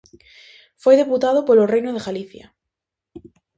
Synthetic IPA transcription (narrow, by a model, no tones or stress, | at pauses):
fwe̞jðeput̪að̞opolorejnoð̞eɣaliθja̰